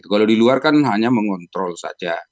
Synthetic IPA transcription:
it̪ukalawdiluarkanɦaɲaməŋɔnt̪ɾɔlsa̰d͡ʒa

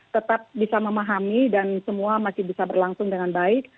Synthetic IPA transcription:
t̪ət̪ap̚bisaməmaɦamidansəmuamasɪhbisabərlaŋsʊŋdəŋanbaɪk̚

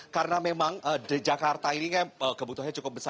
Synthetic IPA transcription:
kaɾənamemaŋəːdəd͡ʒakart̪ainikajaəːkəbut̪uɦaɲat͡ʃukʊp̚bəsa

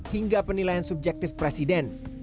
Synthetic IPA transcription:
hiŋɡapənilajansub̚d͡ʒɛk̚t̪ɪfpɾɛsidɛn

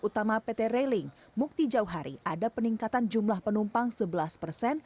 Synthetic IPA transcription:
ut̪amapet̪eɾelɪŋ | muk̚t̪id͡ʒauɦaɾiʔadapəniŋkat̪and͡ʒumlahpənumpaŋsəbəlaspərsɛn

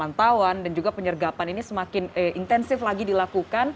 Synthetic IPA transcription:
ant̪awandand͡ʒuɡapəɲərɡapaninisəmakɪnəʔint̪ɛnsɪflaɡidilakukan

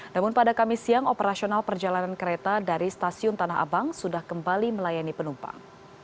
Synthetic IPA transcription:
namʊnpadakamɪsiaŋopəɾasionalpərd͡ʒalanankəɾet̪adaɾist̪asiʊnt̪anaɦa̰baŋsudahkəmbaliməlajanipənumpa̰ŋ

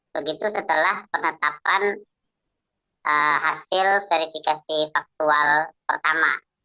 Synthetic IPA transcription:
bəɡit̪usət̪əlahpənət̪ap̚an | ʔəhasɪlfeɾifikasifak̚t̪ualpərt̪ama̰

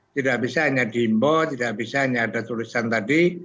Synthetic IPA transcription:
t̪idaʔbisaɦaɲadimbɔt̪idaʔbisaaɲaːdat̪ulisant̪adi

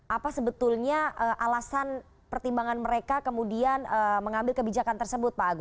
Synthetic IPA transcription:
ʔapasəbət̪ʊlɲaʔəʔalasan | pərt̪imbaŋanməɾekakəmudianəməŋambɪlkəbid͡ʒakant̪ərsəbʊt̪̚paɡu

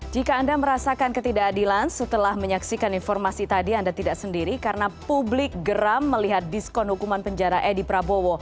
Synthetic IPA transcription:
d͡ʒikaːndaməɾasakankət̪idaːdilansət̪əlahməɲaksikaninfɔrmasit̪adiandat̪idaʔsəndiɾikaɾənapublɪk̚ɡəɾamːəliɦat̪̚diskɔnhukumanpəɲd͡ʒaɾaʔedipɾabowo

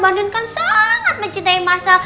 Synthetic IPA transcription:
bandʊnkansaŋat̪̚məɲt͡ʃint̪aimasal

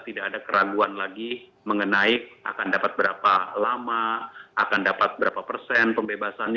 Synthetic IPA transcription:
t̪idaːdakəɾaɡuanlaɡi | məŋənaiʔa̰kandapat̪̚bəɾapalamaakandapat̪̚bəɾapapərsɛnpəmbebasanɲ

